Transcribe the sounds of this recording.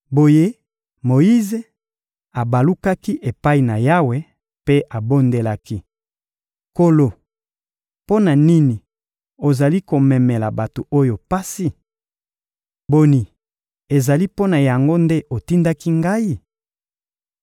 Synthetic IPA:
bo˨je˦ | mo˨ji˦ze˨ | a˨ba˨lu˦ka˦ki˦ʔe˨pa˦i˨na˨ja˦we˦ | pe˦ʔa˨bo˦nde˨la˦ki˦ | ko˦lo˨ | po˦na˨ni˦ni˨ | o˨za˨li˦ko˨mɛ˨me˨la˨ba˨to˨ʔo˦jo˨pa˦si˦ | bo˨ni˨ | e˨za˨li˦po˦na˨ja˨ŋɡo˦nde˦ʔo˨ti˦nda˦ki˦ŋɡa˦i˦

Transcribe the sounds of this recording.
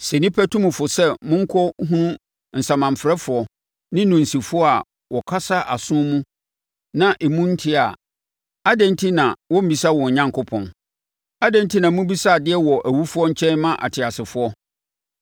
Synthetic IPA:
sɛ˨nɪ̃˦pʰæ˦tʰũ˦mũ˨fʊ˨sɛ˦mʊ̃˦ŋ̩˦kʰɔ˦ɦũ˦ | n̩˨sã˨mã˨m˨fɾɛ˦fʊ˨˦ɔ˦ | nɪ̃˦nũ˨n̩˨si˨fʊ˦ɔ˦a˨ | wɔ˨kʰa˦sa˦ʔa˨sʊ̃˦mũ˦ | nã˦ʔɛ˨mũ˦n̩˦tʰɪ˦a˨ | a˦dɛ̃˦n˦tʰi˦nã˨wɔ̃˦m̩˦bi˨sa˦wɔ̃˨ɲã˦ŋkʰʊ˦pʰɔ̰̃˨n | a˦dɛ̃˦n˦tʰi˦nã˨mʊ̃˦bi˦sa˦˨dɪ˦ɛ˦wɔ˨ʔæ˨wu˦fʊ˦ɔ˦ɲ̩˦t͡ɕʰɛ̃˦nmã˦ʔa̰˨tʰɪ˨a˨sɪ˨fʊ˦ɔ˦

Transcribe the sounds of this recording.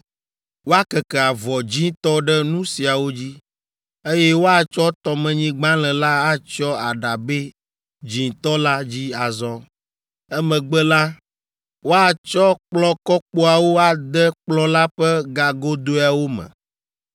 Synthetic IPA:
wo˦a˦kɛ˨kɛ˨a˨vɔ˨d͡ʑĩ˦t̪ɔ˦ɖɛ˦nũ˦si˨a˨wo˦d͡ʑi˦ | e˦je˦wo˦a˦t͡ʃɔ˦t̪ɔ˨mɛ̃˨ɲĩ˦ɡ͡bã˦lɛ̃˨la˦a˦t͡ʃɔ˦a˨ɖa˨be˦ | d͡ʒĩ˨t̪ɔ˦la˦d͡ʑi˦a˨zɔ˦ | ɛ˦mɛ̃˨ɡ͡bɛ˦la˦ | wo˦a˦t͡ʃɔ˦k͡plɔ˦kɔ˦k͡po˦a˨wo˦a˨d̪ɛ˦k͡plɔ˦la˦ɸɛ˦ɡa˨ɡo˦d̪o˦a˨wo˦mɛ̰̃˨

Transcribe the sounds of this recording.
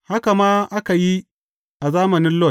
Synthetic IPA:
ha˦ka˨maː˦ʔa˦ka˨ji˦ | ʔa˨zaː˦mɐ˨nɪ˦nlɔ˦˨t̚

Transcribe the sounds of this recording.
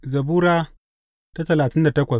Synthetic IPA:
zɐ˨buː˦ɾaː˦ | ta˦tɐ˨laː˨tɪ˦nda˨tɐ˦kʷɐ˨

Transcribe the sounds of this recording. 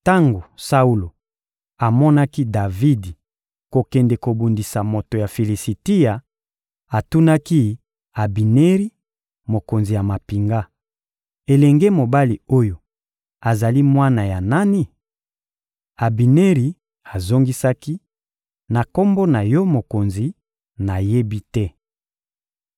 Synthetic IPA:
ta˦ŋɡo˨sa˦u˦lo˨ | a˨mɔ˦na˦ki˦da˨vi˦di˨ | ko˨kɛ˨nde˨ko˨bu˨ndi˨sa˨mo˨to˨ja˨fi˨li˨si˨ti˦ja˨ | a˨tu˦na˦ki˦ | a˨bi˨ne˦ʁi˦ | mo˨ko˨nzi˨ja˨ma˨pi˨ŋɡa˦ | e˨lɛ˨ŋɡe˦mo˨ba˦li˨o˦jo˨ | a˨za˨li˦mwa˦na˨ja˨na˦ni˦ | a˨bi˨ne˦ʁi˨ | a˨zo˦ŋɡi˦sa˦ki˦ | na˨ko˦mbo˦na˨jɔ˦mo˨ko˨nzi˨ | na˨je˦bi˦tɛ˦

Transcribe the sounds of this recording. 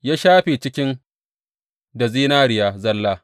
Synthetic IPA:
jaː˦ʃaː˦ɸiː˨t͡ʃɪ˦kʲɪ˦n | da˨ziː˦naː˦ɽɪ˨jaː˦zɐ˦lːaː˦

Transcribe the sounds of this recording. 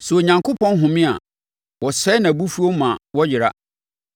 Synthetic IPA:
sʊ˨o˨ɲã˨ŋkʰo˦pʰɔ̃˦nɦʊ̃˨mɪ̃˦a̰˨ | wɔ˨sɛ˦nã˨bu˦fu˦o˦mã˨wɔ˦d͡ʑɪ˨ɾa˦

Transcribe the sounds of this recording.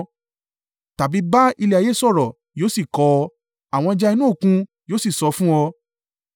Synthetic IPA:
ta˨bi˨˦ba˦i˧le˧a˨je˨˦sɔ˦˨ɾɔ˨ | joː˨˦si˦˨kɔ˧˦˧ | a˨w̃ɔ̃˧d͡ʒa˧i˧nũ˦o˦˨kũ˧joː˦si˦˨sɔ˧fũ˦ɔ˧

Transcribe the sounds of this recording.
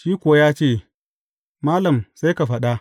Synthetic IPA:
ʃiː˦kʷʊ˨wa˦jaː˦t͡ʃeː˦˨ | maː˦lɐ˨msa˦jka˨ɸɐ˦ɗa˦

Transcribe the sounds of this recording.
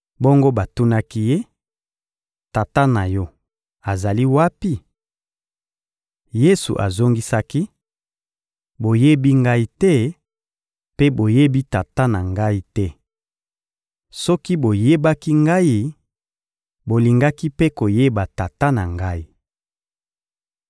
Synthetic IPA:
bo˦ŋɡo˦ba˨tu˦na˦ki˦je˦ | ta˨ta˦na˨jɔ˦ | a˨za˨li˦wa˦pi˦ | je˦sṵ˨ʔa̰˨zo˦ŋɡi˦sa˦ki˦ | bo˨je˦bi˦ŋɡa˦i˦tɛ˦ | pe˦bo˨je˦bi˦ta˨ta˦na˨ŋɡa˦i˦tɛ˦ | sɔ˦ki˦bo˨je˦ba˦ki˦ŋɡa˦ji˦ | bo˨li˨ŋɡa˦ki˦pe˦ko˨je˦ba˨ta˨ta˦na˨ŋɡa˦i˦˨

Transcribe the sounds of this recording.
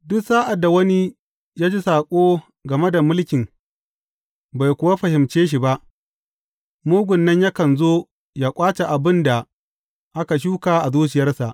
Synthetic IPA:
dʊ˦ksaː˦ʔa˨dːa˨wɐ˦ni˦ | jaː˦d͡ʒi˦saː˨kʷʼoː˦ | ɡɐ˨me˦da˨mʊ˦lkʲɪ˨ŋ | ba˨jkʷʊ˨wa˦ɸɐ˨hɪ˨mt͡ʃeː˦ʃ̬i˨ba˦ʔ | moː˦ɡʷʊ˨nːɐ˦ɲja˦kɐ˨nzoː˦ | jaː˦kʷʼaː˦t͡ʃe˨ʔa˨bɪ˦nda˨ | ʔa˦ka˨ʃ̬uː˦kaː˨ʔa˨zuː˦t͡ʃɪ˨jɐ˦rsa˨ʔ

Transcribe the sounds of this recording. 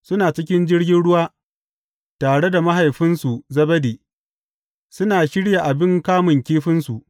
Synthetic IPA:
sʊ˦naː˨t͡ʃɪ˦k̬ʲɪ˦nd͡ʒɪ˦ɽɡʲɪ˦nɽʊ˦waː˦ | taː˨ɽe˦da˨ma˦ɦa˨jɸɪ˦nsu˨zɐ˦bɐ˦deː˨ | sʊ˦naː˨ʃɪ˦ɽja˨ʔa˨bɪ˦ŋkaː˦mʊ˨ŋkʲeː˦ɸɪ˦nsu˨ʔ

